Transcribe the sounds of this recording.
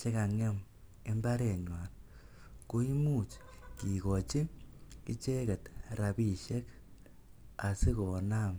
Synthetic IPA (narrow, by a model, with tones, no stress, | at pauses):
t͡ʃe˦ka˨ŋe˦m | e˦mba˦ɾe˨ɲwa˨n | ko˦i˦mu˦˨t͡ʃki˨ko˨t͡ʃi˦ki˦t͡ʃe˦kɛ˨tɾa˨bi˦˨ʃe˦k | a˨si˦ko˨na˦˨m